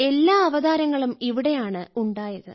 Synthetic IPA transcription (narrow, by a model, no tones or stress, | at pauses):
e̞lːaːɐʋɐðaːɾɐŋːɐɭumiʋiɽe̞jaːɳɨuɳɖaːjɐðɨ̰